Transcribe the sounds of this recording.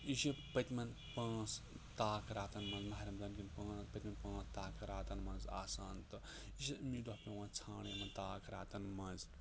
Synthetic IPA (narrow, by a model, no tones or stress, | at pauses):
iʃipɐt̪ʲmɐn | pãːsʰ | t̪aːkɾaːt̪ɐnmɐ̃nzmɐɦɐɾʲɐmzɐnkʲinpãːpɐt̪ʲmɐnpãːsʰt̪aːkɾaːt̪ɐnmɐnza̰ːsaːnt̪ɨ | iʃimid̪ohpʲɐ̃wãːnt͡sʰaːɳjɐmɐnt̪aːkɾa̰ːt̪ɐnmɐnz